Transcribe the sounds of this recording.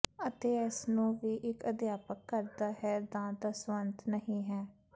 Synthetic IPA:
ət̪eːɪsnũːʋiːʔɪkəd̪jaːpəkːəɾd̪aːɦɛːd̪ãːd̪əsʋənt̪nəɦĩːɦɛː

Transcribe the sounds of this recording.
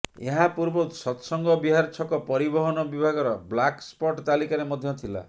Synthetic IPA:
ḛɦapuɾbɔt̪sɔt̪sɔŋɡɔbiɦaɾt͡ʃʰɔkɔpɔɾibɔɦɔnɔbibʱaɡɔɾɔblakspɔʈt̪alikaɾemɔd̪ʱjɔt̪ʰila̰

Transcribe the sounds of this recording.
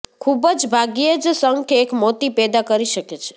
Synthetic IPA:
kʰubəd͡ʒbʱaɡied͡ʒsəŋɡkeekmot̪ipɛd̪akəɾiʃəket͡ʃʰe̥

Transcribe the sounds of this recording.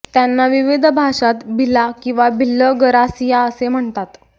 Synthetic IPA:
t̪janːaʋiʋid̪ʱəbʱaʂat̪bʱilakĩw̃ʋabʱilːəɡəɾasijaəsem̤əɳt̪at̪

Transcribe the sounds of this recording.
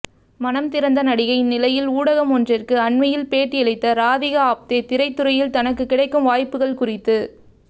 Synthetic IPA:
mɐnɐmt̪ɪɾɐnd̪ɐnɐɽɪɣɐɪnːɪlɐjɪluːɽɐɣɐmɔndrɪrkɯɐɳmɐjɪlpeːʈːɯɛɭɪt̪ːɐɾaːðɪɣɐaːp̚t̪et̪ɪɾɐɪt̪ːɯɾɐjɪlt̪ɐnɐk̬ːɯkːɪɽɐɪkːɯmʋaːjpːɯɣɐɭkʊrɪt̪ːɯ

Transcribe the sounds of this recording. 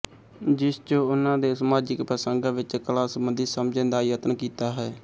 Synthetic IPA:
d͡ʒɪst͡ʃõːʊnãːd̪eːsəmaːd͡ʒɪkpəsəŋɡaːʋɪt͡ʃkəlaːsəmənd̪isəmd͡ʒẽːd̪aːjət̪ənkiːt̪aːɦɛː

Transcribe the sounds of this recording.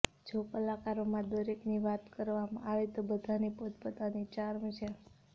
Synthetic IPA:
d͡ʒokəlakaɾomãd̪əɾekniʋat̪kəɾʋamã̰aʋet̪obəd̪ʱanipot̪pət̪anit͡ʃaɾmt͡ʃʰe

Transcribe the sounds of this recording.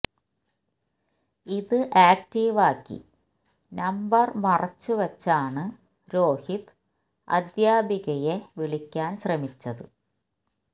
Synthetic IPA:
iðɨʔaːk̚ʈiːʋaːkːḭ | nɐmbɐrmɐrɐt͡ɕːuʋɐt͡ɕːaːɳɨ | ɾo̞ːhit̪ | ɐ̰d̪jaːbiɣɐjeʋiɭikʲːaːnɕrɐmit͡ɕːɐðɨ̰

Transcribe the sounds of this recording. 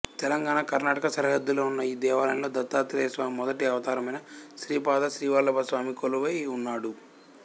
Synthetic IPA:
t̪ɛlɐŋɡaːnakɐɾnaːʈɐkɐsɐɾɐɦɐd̪ːuloːunːɐiːd̪ɛːʋaːlɐnilo̞ːd̪ɐt̪ːaːt̪ːɾɛjɐsʋaːmimɔd̪ɐʈiɐʋɐt̪aːɾɐmɐjnɐʃɾiːpaːd̪ɐʃɾiːʋaːlːɐbʱɐsʋaːmikoluʋɐjunːaːɽu

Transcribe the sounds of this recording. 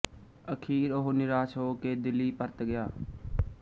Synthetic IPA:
əkʰiːɾoɦnɪɾaːʃɦoːkeːd̪ɪlːiːpəɾt̪ɡɪjaː

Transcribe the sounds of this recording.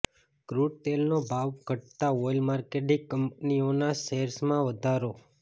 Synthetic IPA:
kɾuɖʈelnobʱaʋɡʱəʈ̚t̪aojlmaɾkeʈiɡkːəmp̚nionaseɾsmãʋəd̪ʱaɾo

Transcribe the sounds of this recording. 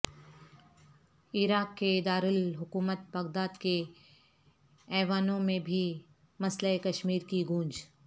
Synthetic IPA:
iɾaːkːeɪd̪aːɾɪlɦʊkuːmət̪̚bɐɡd̪aːd̪ke | ɛːʋaːnõmẽbʱi | mɐsləekɐʃmiːɾkiɡũːnd͡ʒ

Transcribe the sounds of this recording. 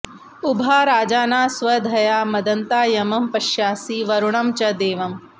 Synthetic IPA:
ubʱaːɾaːd͡ʒaːnaːsʋɐd̪ʱɐjaːmɐd̪ɐnt̪aːjɐmɐmpɐʃjaːsiːʋɐɾuɳɐmt͡ʃɐd̪eːʋɐm

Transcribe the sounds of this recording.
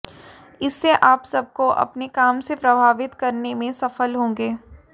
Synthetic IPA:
ɪsːeʔaːpsɐb̚koʔɐ̰pnekaːmsepɾɐbʱaːʋɪt̪kɐɾnemẽsɐfəlɦõːŋɡeː

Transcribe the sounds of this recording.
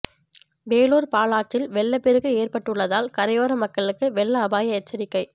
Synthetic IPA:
beːluːɾpaːlaːʈt͡ʃɪlʋɛɭːɐpɛɾɯɣɯeːrpɐʈːɯɭːɐðaːlkɐɾɐɪjoːɾɐmɐkːɐɭɯkːɯʋɛɭːɐːbaːjɐɛt͡ʃːɐɾɪkːɐɪ

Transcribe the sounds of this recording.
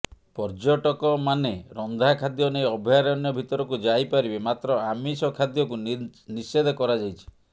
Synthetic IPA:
pɔɾd͡ʒɔʈɔkɔmaneɾɔnd̪ʱakʰad̪jɔnejɔbʱjaɾɔnjɔbʱit̪ɔɾɔkud͡ʒajpaɾibemat̪ɾɔamisɔkʰad̪jɔkunised̪ʱɔkɔɾad͡ʒajt͡ʃʰi̥

